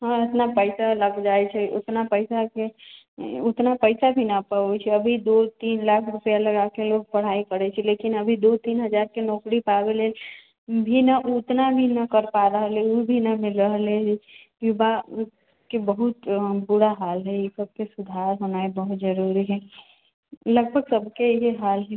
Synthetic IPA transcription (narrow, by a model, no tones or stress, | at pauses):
ɦãɪt̪napəɪsalɐɡd͡ʒaːet͡ʃʰɛʊ̰t̪napəɪsake | ʊt̪napəɪsabʱinapaːet͡ʃʰɛɐbʱid̪ot̪iːnlaːkʰɾʊpjalɐɡakeloːɡ̚pɐɽ̤aːikəɾet͡ʃʰɛleːkɪnɐbʱid̪oːt̪iːnɦɐd͡ʒaːɾkenɔːkɾipaːweleː | bʱinaʔʊt̪nabʱinɐkəɾpaːɾaɦleubʱinɐmɪləɦle | jʊba | kebəɦʊt̪bʊɽaɦaːlɦɛjesɐb̚kesʊd̪ʱaːɾɦoːnaebɐɦʊt̪zəɾuːɾiɦɛː | lɐɡ̚bʱəɡsɐbkejeɦaːlɦɛ